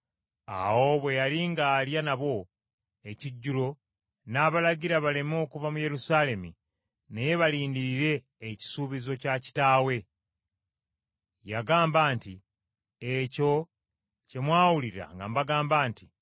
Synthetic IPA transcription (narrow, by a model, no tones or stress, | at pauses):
a̰wo̞βwe̞jaliŋɡaːljanaβo̞ | e̞ciɟːulo̞ | naːβalaɟiɾaβale̞mo̞ːkuvamuje̞ɾusaːle̞mḭ | neje̞βaliːndiɾiɾe̞ː | ci̥suːβizo̞caci̥taːwe̞ | jaɡaːmbaːnti | eco̞ | ce̞mwaːwuliɾa̰ŋɡa̰mbaɡaːmbaːnti